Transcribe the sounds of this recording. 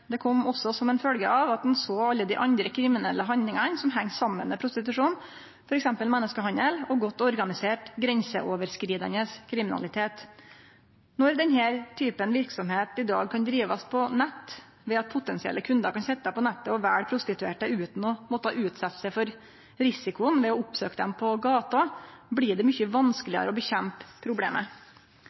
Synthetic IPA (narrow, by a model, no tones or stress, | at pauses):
d̪ɛkʰɔmːɔsːɔsɔmɛnfœlɡəɑʋɑt̪̚d̪nsoːɑlːəd̪ɪʔɑnd̪ɾəkʰɾɪmɪnɛlːəɦɑnd̪lɪŋɑnsɔmɦæŋːsɑmːənmɛpʰɾʊst̪ɪt̪ʉʂuːn | fɔɾɛksɛmpəlmɛnːəskəɦɑnəlɔɡɔt̪ːɔɾɡɑnɪseːʈɡɾɛnsəʔoːʋəɾskɾiːd̪ɑ̰nəskʰɾɪmɪnɑ̰lɪt̪ʰeːt̪ | nɔɾd̪ɛnɦæːɾt̪ʰyːpənʋɪɾksɔmheːt̪ɪd̪ɑ̰ːɡ̚kʰɑnd̪ɾiːʋɑspʰɔnɛt̪ː | ʋɛɑt̪̚pʰʊt̪ɛnsɪɛ̰lʔəkʰʉnd̪əɾkɑnsɛt̪ːəəpʰɔnɛt̪ːəɔʋæːɽpʰɾʊst̪ɪt̪ʉeːʈəʉːt̪n̩ɔmɔt̪əɑʔʉːt̪sɑt̪sɛfɔɾ | ɾɪsɪkʊənʋɛɔʊpsøːkəd̪ɛmpʰɔɡɑːt̪ɑblɪɖɛmʏçəʋɑnskəlɪə̰ɾəɔbəçɛmppʰːɾʊblḛːmə